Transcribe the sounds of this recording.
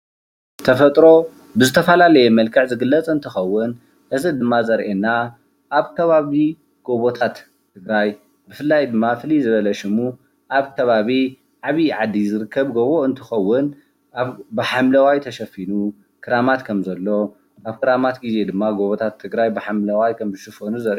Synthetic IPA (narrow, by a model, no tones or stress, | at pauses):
t̪ʰɐfɐt̪ʼɾo̞ | bɨzɨt̪ʰɐfɐlalɐjemɐlkʰɨʕzɨɡɨlːɐt͡sʼɨnt̪ʰɨxɐwːʊn | ʔɨzɨd̪ɨmːazɐɾʔenːa | ʔaβkʰɐβaβi | ɡ̥o̞βot̪ʰat̪ʰː | ɨɡɾaj | bɨfɨlːajd̪ɨmːafɨlizɨβɐlɐʃɪmu | ʔaβkʰɐβaβi | ʕaβiʕad̪ːizɨɾɨkʰːɐβɡoβoɨnt̪ʰɨxɐwːʊn | ʔaβbɨħamlɐwajt̪ʰɐʃɐfinu | kʰɨɾamat̪kʰɐmzɐlːo̞ | ʔaβkʰɨɾamat̪ɡize̞d̪ɨmːaɡo̞βot̪ʰat̪ʰːɨɡɾajbɨħamlɐwajkʰɐmzɨʃɨfonuzɐɾʔ